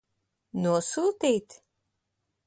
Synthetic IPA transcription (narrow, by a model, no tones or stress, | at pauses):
nuɔsuːt̪iːt̪